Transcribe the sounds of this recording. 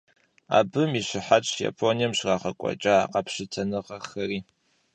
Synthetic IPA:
a̰ːbɨmiɕɪħat͡ʃʼja̰pʰonijɛmɕraːχɐkʷʼɔ̰t͡ʃʼaːqɐpɕɪtʰɐnɨqɐxɐɾiː

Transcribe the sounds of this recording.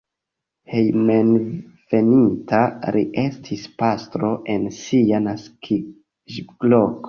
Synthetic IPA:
hejmenv̥e̞nitaɾʔiʔe̞stʰispastɾo̞ʔe̞nsianaskʰi | ʒɡloko

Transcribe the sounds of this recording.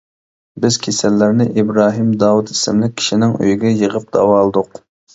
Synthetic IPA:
bɪzkʲʰesɛlːɪɾnɪʔibɾɑːɦimd̪ɑwut̪i̥sɪmlɪk̚ʲʰːi̥ʃinɪŋø̰jiɡʲɛjəʁəp̚d̪ɑ̰wɑːlˠɨd̪ʊq

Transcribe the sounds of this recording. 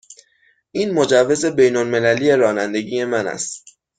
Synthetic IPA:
ʔiːnmo̞d͡ʒævːe̞ze̞be̞jnolme̞læliːjeɾɒːnænd̪e̞ɟiːje̞mænæ̰st̪

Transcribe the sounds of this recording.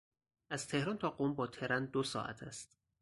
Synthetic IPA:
ʔæz̥t̪ʰe̞hɾɒːnt̪ʰɒːɢombɒːt̪ʰe̞ɾænd̪osɒ̰ːʔæ̰t̪ʰæst̪

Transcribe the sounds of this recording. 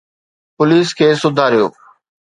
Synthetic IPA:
pʊliːskʰeːsʊd̪ʱaːɾijo̰ː

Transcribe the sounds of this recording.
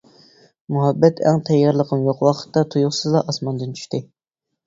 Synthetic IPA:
muɦɑbːɛt̪ʰɛ̰ŋt̪ʰɛjːɑɾlˠəqʰənjoqwɑqʰə̥t̪ːɑt̪ʰujuχsɨzlˠɑʔɑsmɑnd̪ɨnt͡ʃʰy̥ʃt̪ɪ

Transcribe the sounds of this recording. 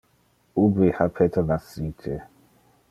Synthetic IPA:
ubehapʰɛtʰanasitʰɛ̰

